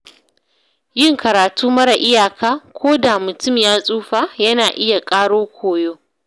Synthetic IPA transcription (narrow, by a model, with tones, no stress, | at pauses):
jɪ˦˨ŋkɐ˨ɾaː˨tuː˦mɐ˦ɽa˨ʔɪ˦jaː˨kʰaː˦kʷoː˦da˨mʊ˨tʊ˦˨mjaː˦sʼuː˦ɸaː˦jɐ˦naː˨ʔɪ˦ja˨kʼaː˦ɽoː˦kʷʰoː˨joː˦